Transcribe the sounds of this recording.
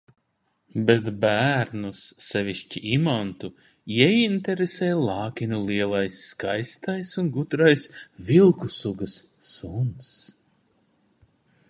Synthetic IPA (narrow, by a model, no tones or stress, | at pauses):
bet̪bæːɾnusːɛvʲiʃt͡ʃiʔimant̪u | iɛint̪ɛɾesɛːjlˠɑːkʲinulˠiɛlˠajsːkajst̪ajsunɡud̪ɾajsvilˠkusuɡɐsː | uns